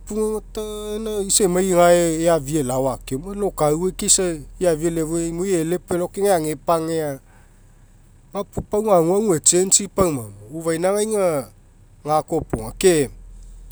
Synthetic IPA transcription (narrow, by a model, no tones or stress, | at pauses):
puŋatanaisemajŋaeːavielawakemalokawekesaiavielevoemojelepelokeŋeaŋepaŋea | mapupawŋaŋwaŋuet͡ʃent͡ʃipawmamouvajnaŋajŋa | ŋakopuŋake